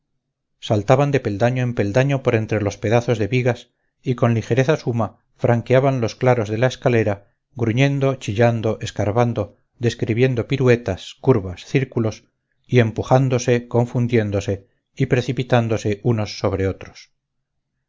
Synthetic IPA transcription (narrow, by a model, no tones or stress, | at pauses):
salt̪aβand̪e̞pe̞ld̪aɲoempe̞ld̪aɲo̞po̞ɾe̞nt̪ɾe̞lo̞spe̞ðaθo̞zðe̞βiɣas | iko̞nlixe̞ɾe̞θasuma | fɾaŋkeaβanlo̞sklaɾo̞zðe̞lae̞skale̞ɾa | ɣɾuɲẽ̞nd̪o̞t͡ʃiʎand̪o̞ʔe̞skaɾβand̪o̞ | ðe̞skɾiβje̞nd̪o̞piɾue̞t̪askuɾβasθiɾkulo̞s | ie̞mpuχand̪o̞se̞kõ̞ɱfund̪je̞nd̪o̞se̞ | ipɾe̞θipit̪and̪o̞se̞uno̞sːo̞β̞ɾe̞o̞t̪ɾo̥s